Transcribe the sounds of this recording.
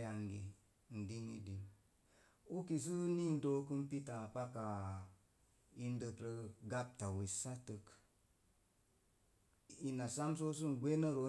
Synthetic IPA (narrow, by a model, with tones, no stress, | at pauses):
a˨ŋɡi˨ | n̩˨di˦ŋḭ˦di˨ŋ | u˦ki˨s̬ɨ˦ni˦n̩˨do˦kɨ˦mpi˦ta˨pa˦ka˨ | i˦n˦də˧kɾə˦ɡa˦p̚ta˨wi˨sa˦tə˧k | i˨na˨sa˦mso˦s̬ɨ˦ŋ˨ɡʷe˦nə˦ɾo˦